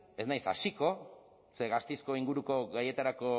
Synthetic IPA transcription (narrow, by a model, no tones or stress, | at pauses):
e̞znajsa̰siko̞ | seɣast̪ejsko̞iŋɡuɾuko̞ɣaje̞t̪aɾako̞